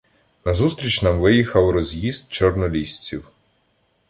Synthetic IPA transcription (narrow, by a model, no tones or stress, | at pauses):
nɐzust̪ɾʲit͡ʃnɐmʋɪjixɐwɾɔzʲjizt̪̚t͡ʃɔrnɔlʲisʲt͡sʲiw